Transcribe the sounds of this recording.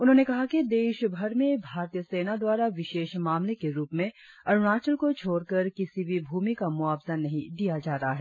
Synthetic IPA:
ʊnɦõːnekɐɦakid̪eːʃbʱɐɾmẽbʱaːɾt̪ijəseːnad̪waːɾaʋɪʃeːʃmaːmlekeɾuːpmẽ | ɐɾnaːt͡ʃəlkot͡ʃʰoːɾkɐɾkɪsibʱibʱuːmikamʊaːbzanːɐɦĩd̪ijad͡ʒaːɾɐɦaɦɛː

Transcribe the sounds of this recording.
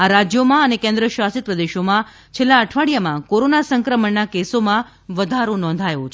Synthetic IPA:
aɾad͡ʒjomãənekẽnd̪ɾəʃʋasit̪̚pɾəd̪eʃomã | t͡ʃʰelːaəʈʰʋaɽijamãkoɾonasə̃ŋkɾəməɳːakesomã | ʋəd̪ʱaɾonɔ̃nd̪ʱajʋot͡ʃʰ

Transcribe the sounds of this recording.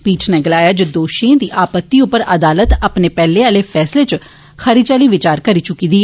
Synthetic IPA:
spiːʈnɛːɡɪlaːjaːd͡ʒed̪oːʃẽd̪iːʔaːpət̪ːiːʊpːəɾəd̪aːlət̪aːpneːpɛːleaːleːfʰɛːsleːt͡ʃ | xʰəɾit͡ʃaːliːʋɪt͡ʃaːɾkəɾiːt͡ʃʊkiːd̪iː

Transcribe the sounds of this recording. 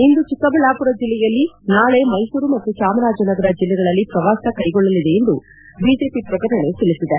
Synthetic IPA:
ind̪ut͡ʃikːɐbɐɭaːpuɾɐd͡ʒilːɛjɐlːinaːɭe̞mɐjsuːɾumɐt̪ːut͡ʃaːmɐɾaːd͡ʒɐnɐɡɐɾɐd͡ʒilːɛɡɐɭɐlːipɾɐʋaːsɐkɐjɡɔɭːɐlid̪e̞ːnd̪u | biːd͡ʒe̞ːpipɾɐkɐɾɐɳe̞t̪ilisid̪e

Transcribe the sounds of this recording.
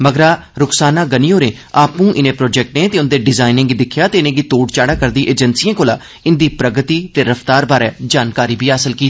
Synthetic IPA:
məɡɾaː | ɾʊksaːnãːɡəniːɦoːɾẽː | aːpũːʔɪnẽːpɾɔːd͡ʒɛk̚ʈneːt̪eːʊnd̪eːɖɪzaːɪnɪ̃ŋɡid̪ɪkʰjaːt̪eːɪnẽːɡiːt̪oːɖt͡ʃaːɽaːkəɾd̪iːʔeːd͡ʒənsiːãːkoːla̰ː | ɪnd̪iːpɾəɡət̪iːt̪eːɾəft̪aːɾbaːɾɛːd͡ʒaːnkaːɾiːbʱiːɦaːsəlkiː

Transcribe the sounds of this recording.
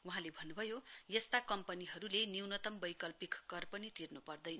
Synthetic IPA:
wuɦãlebʱʌnːubʱʌjojʌst̪akʌmpʌniɦʌɾuleniwnʌt̪ʌmbʌjkʌlpikːʌrpʌnit̪irnupʌrd̪ʌjnʌ

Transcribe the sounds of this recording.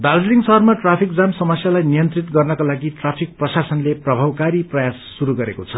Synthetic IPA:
d̪ald͡zliŋsʌɦʌrmaʈrapʰik̚d͡zamsʌmʌsjalajnijʌnt̪rit̪ɡʌrnʌkalaɡiʈrapʰik̚prʌsasʌnleprʌbʱawkaɾiprʌjasːuɾuɡʌɾekot͡sʰʌ

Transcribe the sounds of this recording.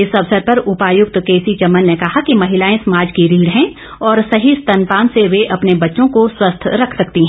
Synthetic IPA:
ɪsɐʋsəɾpɐɾʊpaːjʊk̚t̪keːsit͡ʃɐmːənːekɐɦakimɐɦɪlaːẽsɐmaːd͡ʒkiɾiːɽɦɛ̃ | ɔːɾsɐɦist̪ɐ̃npaːnseʋeʔɐpnebɐtːʃõkoswɐst̪ʰɾɐkʰsɐkt̪iɦɛ̃ː

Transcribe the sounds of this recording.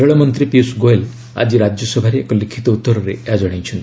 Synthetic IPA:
eɭɔmɔnt̪ɾipiusɡoel | a̰d͡ʒiɾad͡ʒjɔsɔbʱaɾeːkɔlikʰit̪ɔut̪ːɔɾɔɾeead͡ʒɔɽ̃ejt͡ʃʰɔnt̪i

